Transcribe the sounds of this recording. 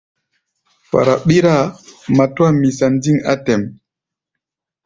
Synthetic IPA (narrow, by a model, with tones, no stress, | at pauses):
pa̰˨ɾa˨ɓi˦ɾa˦˨ma˨twa˦mi˨sa˨n˦di˦ŋa̰˦tɛ˨m